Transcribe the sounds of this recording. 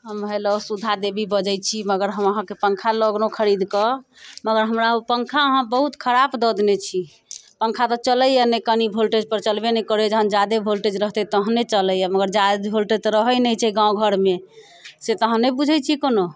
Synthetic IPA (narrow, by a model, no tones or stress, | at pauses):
ɦəmʱəjlosud̪ʱad̪ebʱibəd͡ʒəjt͡ʃʰiməɡəɾɦəməɦãkepəŋkʰaləɡnokʰəɾid̪kəməɡəɾɦəmɾaopəŋkʰaəɦãbəɦut̪kʰəɾabd̪ɔd̪net͡ʃʰi | pəŋkʰat̪ɔt͡ʃələjɛnekənibʱolʈed͡ʒpəɾt͡ʃəlbenɛkəɾed͡ʒəɦə̃nd͡ʒad̪ebʱolʈed͡ʒɾəɦt̪ɛt̪əɦənet͡ʃələjɛməɡəɾd͡ʒad̪bʱolʈet̪ɔɾəɦəjnɛjt͡ʃʰɛɡãũɡʱəɾme | set̪əɦə̃nːebud͡ʒʱəjt͡ʃʰikono